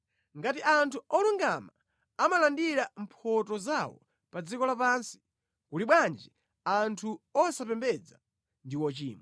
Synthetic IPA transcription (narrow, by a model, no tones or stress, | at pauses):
ŋɡatiʔantʰuʔɔluŋɡama | amalandiɾampʰɔtɔzawɔ̰ | pad͡zikɔlapaːnsi̥ | kuliɓwand͡ʒi | antʰuɔsapɛmbɛd͡za̰ | ndiwɔt͡ʃḭːma